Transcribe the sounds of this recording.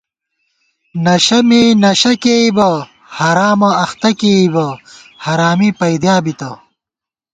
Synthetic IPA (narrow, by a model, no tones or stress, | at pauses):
nɐɕɐmenɐɕɐkeibɐ | haːɾaːmɐɐxt̪ɐkeibɐhaɾaːmipɐjd̪jaːbit̪ɐ